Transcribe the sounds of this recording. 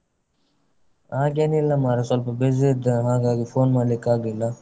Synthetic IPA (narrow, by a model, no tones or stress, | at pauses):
aːɡenilamaːɾɐsolpɐbezid̪ɐɦãːɡaːɡifoːnmaːlikaːɡila